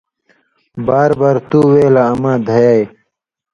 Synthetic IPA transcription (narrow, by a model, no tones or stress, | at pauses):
baːɾbaːɾt̪uːweːlaːmãːd̪ʱɐjaːj